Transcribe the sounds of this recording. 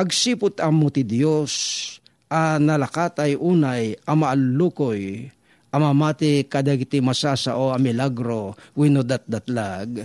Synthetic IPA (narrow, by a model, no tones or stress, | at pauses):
pɐɡsipʊt̪ɐmʊt̪ɪd̪jos | ʔɐnɐlɐkat̪ɐjʔuːnajʔɐmɐʔɐlːukoj | ʔɐmamaːt̪ɪkad̪aɡɪt̪ɪmɐsaːsa̰ʔoɐmɪlaɡɾowinod̪at̪̚d̪at̪laɡ